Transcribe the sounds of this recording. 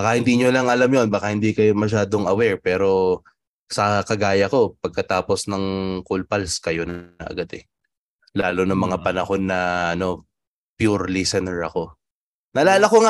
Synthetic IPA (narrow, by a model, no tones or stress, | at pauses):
baːkɐhɪnd̪iːɲolɐŋʔɐlamjo̞nbaːkɐhɪnd̪ikɐjomɐʃ̬aːd̪o̞ŋɐwɛɹpɛːɾo̞ | sɐkɐɡaːjɐko̞pɐɡ̚kɐt̪aːpo̞snɐŋkʊlpɐlskɐjonɐ̰ʔɐ̰ɡad̪ɛ | laːlonɐŋmɐŋapɐnɐho̞nːɐʔɐno̞ | pjuɹlisɛnɛɹɐko̞ | nɐlaːlɐkoŋa